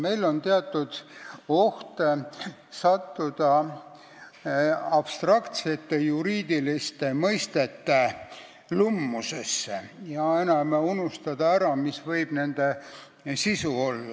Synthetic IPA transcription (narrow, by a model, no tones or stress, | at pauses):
me̞jlo̞nt̪eɑt̪ːˑud̪̥o̞ht̪e | sɑt̪ːud̪̥ɑ | ɑb̥st̪rɑkt̪set̪ːe̞juɾiːd̪̥ilist̪emɤjst̪e̞t̪ːe | lumːusesːejɑe̞nɑmeunust̪ɑd̪̥ɑæɾɑmisvɤjb̥ne̞nd̪̥e̞ | sisuo̞lːɑ